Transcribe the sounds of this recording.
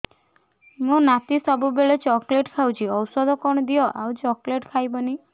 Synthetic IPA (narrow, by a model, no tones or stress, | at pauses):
mũnat̪isɔbubeɭet͡ʃɔkleʈkʰawt͡ʃʰiɔwsɔd̪ʱɔkɔɽ̃ɔd̪iɔʔa̰wt͡ʃɔkleʈkʰajbɔni